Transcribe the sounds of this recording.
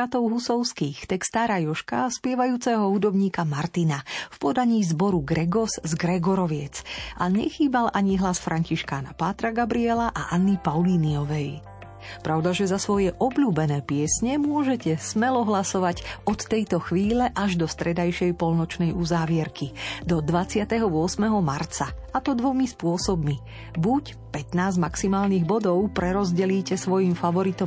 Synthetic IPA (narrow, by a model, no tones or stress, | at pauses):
at̪ɔʊɦusɔʊskiːxt̪ɛkst̪aːɾajɔʃka̰spɪɛʋajuːt͡sɛɦɔɦud̪ɔbɲiːkamaɾt̪inafpɔd̪aɲiːzbɔɾuɡɾɛɡɔzzɡɾɛɡɔɾɔʋɪɛt͡sʔaɲɛ̰xiːbalʔaɲiɦlasfɾʔaɲciʃkaːna̰pat̪ɾaɡabɾiɛlaʔa̰ʔanːipaʊliːniɔʋɛj | pɾaʊd̪aʒɛzasʋɔjɛʔɔbʎuːbɛnɛːpɪɛsɲɛmʊɔʒɛcɛsmɛlɔɦlasɔʋaɟɔt̪ːɛjt̪ɔxʋiːlɛʔaʒd̪ɔst̪ɾɛd̪ajʃɛjpɔlnɔt͡ʃnɛjuzaːʋɪɛɾkʰid̪ɔd̪ʋat͡sɪat̪ɛɦɔʊɔsmɛɦɔmaɾt͡saat̪ɔd̪ʋɔmispʊɔsɔbmi | buc | pɛt̪naːzmaksimaːlniɣbɔd̪ɔʊpɾɛɾɔzɟɛliːcɛsʋɔjimfaʋɔɾit̪ɔ